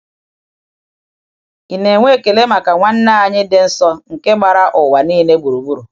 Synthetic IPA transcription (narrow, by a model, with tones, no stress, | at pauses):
i˨ne˨ŋʷe˦˨ke˨le˦ma˨ka˨ŋʷa˦n̩˦na˦a˨ɲɪ˦dɪ˦n̩˦sɔ˦ŋ̩˨ke˦ma˨ɾa˦ʔʊ˨wa˨niː˦ne˦ɡ͡bu˨ɾu˨ɡ͡bu˦ɾu˨